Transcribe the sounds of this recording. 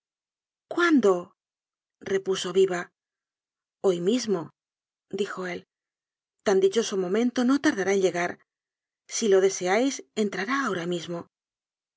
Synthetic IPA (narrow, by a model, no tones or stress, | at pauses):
kwand̪o̞ | re̞puso̞βiβa | o̞jmizmo̞ | d̪ixo̞e̞l | t̪and̪it͡ʃo̞so̞mõ̞mẽ̞nt̪o̞no̞t̪aɾðaɾae̞nʎe̞ɣaɾ | silo̞ðe̞se̞ajse̞nt̪ɾaɾaːo̞ɾamizmo̞